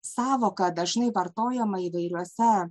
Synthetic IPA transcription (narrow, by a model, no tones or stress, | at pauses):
sɑːʋoːkɐd̪ɐʒnɐɪʋɐɾt̪oːjɛmɐiːʋɐɪɾʲuɔsʲɛ